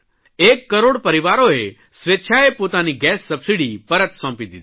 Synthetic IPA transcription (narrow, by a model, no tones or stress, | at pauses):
ekːəɾoɽpəɾiʋaɾoe | sʋetːʃʰaepot̪aniɡɛsːəbsiɽipəɾət̪sɔ̃mpid̪id̪